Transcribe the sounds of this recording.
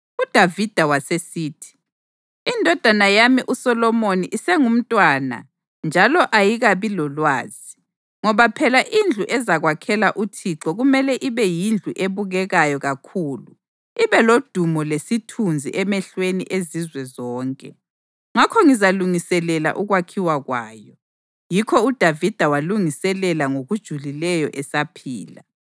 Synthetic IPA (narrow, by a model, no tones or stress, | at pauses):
ud̥ʱavid̥ʱawasesiːtʰi̥ | indʱɔd̥ʱanajamiʔusɔlɔmoniʔisɛŋum̩tʼwana̰ | nd͡ʒʱalɔʔajiɣaβilɔlwaːz̥i | ŋɔβapʰɛlaʔind͡ɮʱuʔɛzaɣwakʰɛlaʔutʰiǁɔɣumɛlɛʔiβɛjind͡ɮʱuʔeβuɣɛɣajɔɣakʰuːlu | iβɛlod̥ʱumɔlesitʰund͡zʱḭʔɛmɛɬwenḭʔezizwɛzɔːŋkʼɛ̰ | ŋakʰɔŋizaluŋisɛlɛla̰ʔuɣwakʰiwaɣwa̰ːjɔ | jikʰɔud̥ʱavid̥ʱawaluŋisɛlɛlaŋoɣud̥ʒ̥ʱulilɛjɔʔɛsapʰḭːla